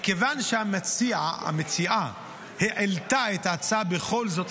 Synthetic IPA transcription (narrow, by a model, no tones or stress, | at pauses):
kevanʃeamet͡siaa̰met͡siʔa | heʕelt̪aet̪at͡sabeχo̞lzo̞t̪